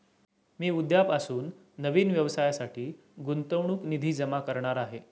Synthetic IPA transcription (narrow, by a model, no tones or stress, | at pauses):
miːud̪japasuːnː | əʋiːnʋjəʋsajasaʈʰiː | ɡunt̪əʋɳuːknid̪ʱiːd͡zəmakəɾɳaɾaɦe